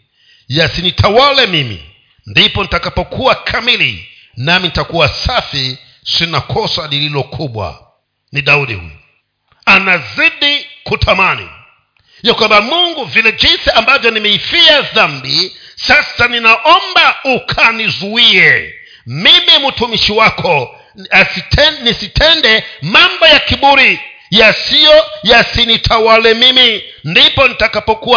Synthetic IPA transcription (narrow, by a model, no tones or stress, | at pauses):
jɛsinitʰawalɛmimḭ | ndipɔnitakapɔkuakʰamilḭ | naminitakuwasafi | sinakʰɔsaɗililɔkʰuɓwa̰ | niɗauɗḭhṵju | anaziɗikutʰamanḭ | jakwambamuŋɡuvilɛd͡ʒinsiambavjɔnimɛifiaðambisasaninaʔɔmbaukʰanizuiɛ | mimimutumiʃiwakʰɔ | asitnisitʰɛndɛmambɔjakiɓuɾijasijɔjasinitʰawalɛmimindipɔnitakapɔkua